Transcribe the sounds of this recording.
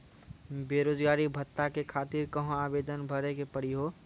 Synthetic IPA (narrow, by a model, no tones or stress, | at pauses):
beːɾoːd͡ʒɡaːɾibʱət̪ːakekʰaːt̪iɾkəɦõaːbeːd̪ənbʱəɾekepəɽ̤iɦoː